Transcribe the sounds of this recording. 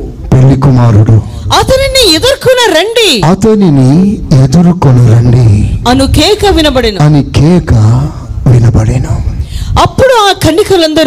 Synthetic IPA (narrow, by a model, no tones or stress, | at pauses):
pelːikumaːɾuɽu | ɐt̪ɐniniɛd̪ɐɾkunɐɾɐɳɖiɐt̪ɐninied̪uɾukonɐɾɐɳɖiɐnukɛːkɐʋinɐbɐɽenuɐnikɛːkɐ | ʋinɐbɐɽenuɐpːuɽuaːkʰɐɳːikɐlɐnd̪ɐɾ